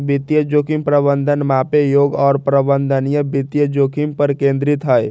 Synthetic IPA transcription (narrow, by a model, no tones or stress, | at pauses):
bit̪jəd͡ʒokimpɾəbənd̪ʱənmapejoːɡɔːɾpɾəbənd̪ʱənijəbit̪jəd͡ʒokimpəɾkẽnd̪ɾit̪ɦəj